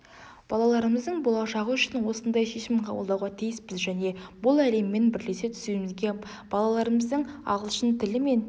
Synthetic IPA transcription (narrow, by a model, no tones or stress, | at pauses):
b̥ɑlˠɑlˠɑɾəməzd̪əɴbolˠɑʃɑʁəʏʃɪnwo̞sənd̪ɑjʃe̞ʃɪmqʰɑ̰bəlˠd̪ɑwʁɑt̪ʰijɪspɪzʒæne̞bʊlˠæle̞mːe̞nbɪɾle̞se̞t̪ʰʏ̥semɪzɡʲe̞ | b̥ɑlˠɑlˠɑɾəməzd̪əɴɑ̰ʁəlˠʃənt̪ʰɪlɪme̞n